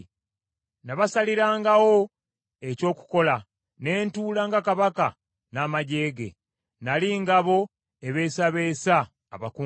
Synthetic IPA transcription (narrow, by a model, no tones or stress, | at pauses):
naβasaliɾaːŋɡawo̞ | e̞co̞ːku̥ko̞la | ne̞ːntuːlaːŋɡakaβaka | naːmaɟe̞ːɡe̞̰ | naliŋɡaβo̞ | eβe̞ːsaβe̞ːsaː | βaku